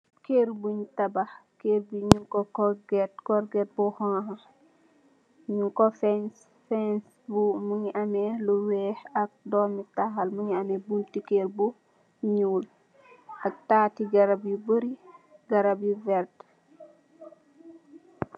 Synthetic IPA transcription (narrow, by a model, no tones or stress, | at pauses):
keːɾbuɲutɐbaxkeɾbuɲukɔkɔɡɛt̚kɔɾɡɛt̚bɔhaɦa | ɲukɔfɛns | fɛns | bumuɲiʔɐmɛluwɛːhɐk̚dɔːmitaxɐlmuɲiɐmɛbuntikeɾbu | ɲuːl | ʔɐk̚taːtiɡɐɾabjubəɾiɡɐɾabjuvɛɾt